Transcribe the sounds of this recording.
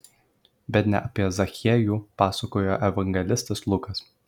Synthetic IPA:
bʲɛt̪ʲnʲɛ̰ʔɐpʲiɛzɐxʲɛːjuːpɑːsɐkoːjoːʔɛʋɐŋʲɡʲɛlʲɪst̪ɐslˠʊkɐs

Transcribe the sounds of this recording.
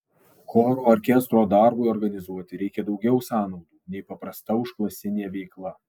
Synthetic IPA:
kʰoːɾoːɔɾʲkʲɛst̪ɾoːd̪ɑɾbʊɪɔɾɡɐnʲɪzuɔt̪ʲɪɾʲɛɪkʲɛd̪ɒʊɡʲɛʊsɑːnɒʊd̪uːnʲɛɪpɐpɾɐst̪ɐʊʃklˠɐsʲɪnʲeːʋʲɛɪklˠɐ

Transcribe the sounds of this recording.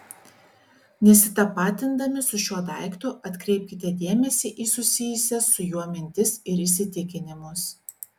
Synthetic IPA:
nʲɛsʲɪt̪ɐpɑːt̪ʲɪnd̪ɐmʲɪsʊʃʲuɔd̪ɐˑɪkt̪ʊʔɐt̪ʲkɾʲɛɪp̚ʲkʲɪt̪ʲɛd̪ʲiɛmʲɛsʲiʔiːsʊsʲɪjʊsʲɛsʊjuɔmʲɪnʲt̪ʲɪsɪɾɪʃʲsʲɪt̪ʲɪkʲɪnʲɪmʊs

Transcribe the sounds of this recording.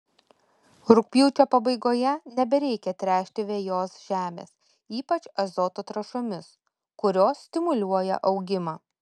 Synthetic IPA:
ɾʊk̚pʲjuːt͡ʃʲoːpɐbɐɪɡoːjɛnʲɛbʲɛɾʲɛɪkʲɛt̪ʲɾʲæːʃʲt̪ʲɪʋʲeːjoːsʒ̥ʲæːmʲḛːs | iːpɐt͡ʃɐzɔt̪ot̪ɾɐʃomʲɪs | kʊɾʲoːsːʲt̪ʲɪmʊlʲuɔjɛ̰ʔɒʊɡʲɪmɑː

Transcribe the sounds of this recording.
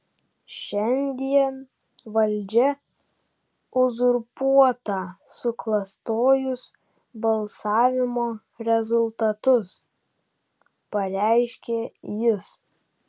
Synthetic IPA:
ʃʲɛnʲd̪ʲiɛn | ʋɐlʲd͡ʒʲɛ | ʊzʊɾpuɔt̪ɑsʊklˠɐst̪oːjʊs | bɐlˠsɑːʋʲɪmoː | ɾʲɛzʊlˠt̪ɐt̪ʊs | pɐɾʲæɪʃʲkʲeːjɪs

